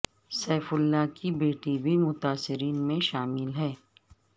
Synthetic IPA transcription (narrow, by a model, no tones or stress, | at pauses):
sɛːfʊlːakibeːʈibʱimʊt̪aːsɪɾiːnmẽʃaːmɪlɦɛː